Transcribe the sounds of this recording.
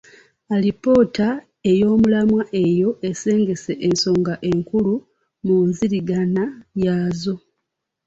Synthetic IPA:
alipo̞ːta | e̞jo̞ːmulamwaʔe̞jo̞ʔe̞se̞ːŋɡe̞se̞ʔenso̞ːŋɡaʔe̞ŋkulu | munziɾiɡanajaːzo

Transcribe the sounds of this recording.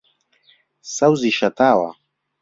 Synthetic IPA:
sawziʃat̪aːwa̰

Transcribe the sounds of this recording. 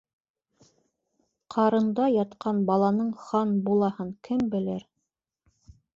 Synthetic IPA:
qʰɑɾɤ̆nd̪ɑjɑt̪qɑnbɑlˠɑnɤɴχɑnbulˠɑhɤɴkʰɘmbɘ̆lɘɾ

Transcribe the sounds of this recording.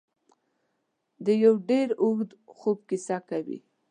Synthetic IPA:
d̪əjawɖeɾʊɣd̪xob̚kisakawḭ

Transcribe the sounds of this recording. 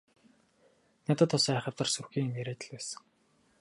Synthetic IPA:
nat̪ə̆t̪ʰːʊsæːχə̆rt̪ə̆rsurxiːŋemeɾeːt̪ɘ̆ɮpæːsə̥̆ŋ

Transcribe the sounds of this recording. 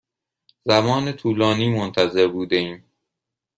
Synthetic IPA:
zæmɒːnet̪ʰuːlɒːniːmont̪ʰæzeɾbuːd̪eiːm

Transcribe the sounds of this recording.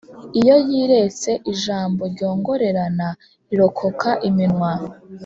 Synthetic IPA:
ijo̞jiːɾe̞t͡se̞ʔiʒaːmbo̞ɾɟo̞ːŋɡo̞ɾe̞ɾana | iɾo̞kʰo̞kʰaʔiminwa

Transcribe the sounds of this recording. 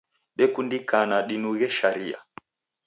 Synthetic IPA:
ɗɛkundikanaɗinuɣɛʃaɾia̰

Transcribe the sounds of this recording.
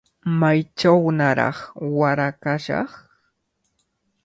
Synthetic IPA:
majt͡ʃawnaɾɑ̰χwaɾakaʃɑ̰χ

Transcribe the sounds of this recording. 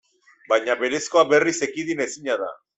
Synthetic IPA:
bajɲaβe̞ɾe̞sko̞abe̞rise̞kiðine̞siɲaða̰

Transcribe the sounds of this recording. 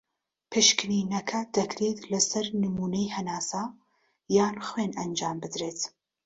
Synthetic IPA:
pʰɨʃkɾiːnɐkʰɐd̪ɐkɾeːt̪lɐsɐɾnɨmuːnɐjhɐnaːsa | jaːnχwenʔɐnd͡ʒaːmbɨd̪ɾeːt̪

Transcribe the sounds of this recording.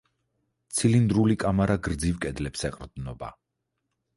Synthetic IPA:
t̪sʰilind̪ɾulikʼamaɾaɡɾd̪zivkʼɛd̪lɛpsɛqʼɾd̪nɔba̰

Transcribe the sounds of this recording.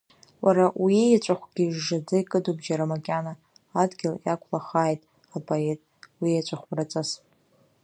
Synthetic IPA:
waɾawijat͡ʃʷʼaχʷɡ̥ʲiʒːad͡zajkʼɨdubʒaɾamakʲʼanaː | dɡʲɪljakʷʰlaχaːjtʼ | apʼoe̞tʼwijat͡ʃʷʼaχʷrat͡sʼas

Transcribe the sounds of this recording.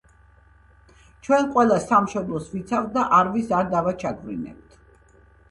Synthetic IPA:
t͡ʃʰwɛnqʼwɛlˠasːamʃɔb̪lˠɔsvit̪sʰavt̪̚d̪aʔaɾvisaɾd̪avat͡ʃʰaɡvɾḭnɛ̰p̚t̪ʰ

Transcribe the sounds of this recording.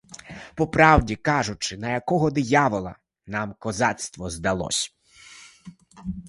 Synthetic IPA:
pɔpɾɑwdʲikɑʒʊt͡ʃɪnɐjɐkɔɦɔd̪ɪjaʋɔlˠɐ̰ | nɑmkɔzɑt̪st̪ʋɔzd̪ɐlˠɔ̰sʲ

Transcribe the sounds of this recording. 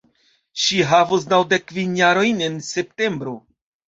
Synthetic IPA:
ʃiɦavus̬nawde̞kvinjaɾo̞jne̞nse̞pte̞mbɾo̞

